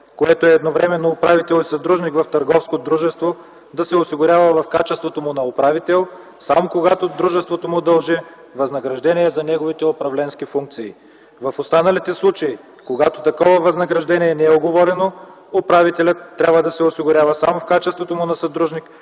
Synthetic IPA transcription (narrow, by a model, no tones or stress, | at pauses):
koɛt̪oɛːd̪novɾɛmɛnːoːpɾavit̪ɛlˠisɐd̪ɾuʒnikvɐft̪ɐɾɡɔfskod̪ɾuʒɛst̪vo | d̪ɐsɛosiɡʊɾʲavɐvɐfkat͡ʃɛst̪vot̪omʊnɐopɾavit̪ɛlˠ | samokoɡat̪od̪ɾuʒɛst̪vot̪omʊd̪ɐlˠʒɛ | vɐznɐɡɾɐʒd̪ɛniɛzɐnɛɡovit̪ɛopɾɐvlɛnsk̟ifuŋk̚t̪siː | vɐfost̪anɐlit̪ɛslˠut͡ʃɐi | koɡat̪ot̪ɐkɔvɐvɐznɐɡɾɐʒd̪ɛniɛnɛɛoɡovɔɾɛno | opɾavit̪ɛlʲɐt̪ːɾʲabvəd̪ɐsɛosiɡʊɾʲavɐsamofkat͡ʃɛst̪vot̪omʊnɐsɐd̪ɾuʒnik